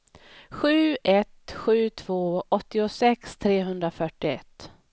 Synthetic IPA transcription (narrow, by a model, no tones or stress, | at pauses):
ɧʉ̟ːɛt̪ɧʉ̟ːt̪ʰv̥oːʔɔt̪ːɪʊsɛkst̪ʰɾeːɦɵnd̪ɾafœʈɪɛ̰t̪ː